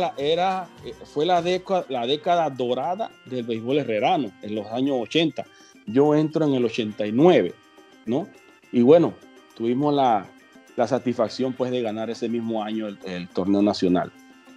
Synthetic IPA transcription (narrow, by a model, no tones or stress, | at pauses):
laʔeɾaefwe̞laðekalaðe̞kaðaðo̞ɾaða̰ðe̞lβejβo̞lere̞ɾano̞eŋlo̞saɲo̞sot͡ʃe̞nt̪a | ʝo̞e̞nt̪ɾo̞e̞ŋe̞lo̞t͡ʃe̞nt̪ajnwe̞β̞e̞̰ | no̞ | iβwe̞no̞ | t̪uβimo̞sla | lasat̪isfaksjo̞mpwe̞zðe̞ɣanaɾe̞se̞mismo̞aɲo̞elelt̪o̞ɾne̞onasjo̞na̰l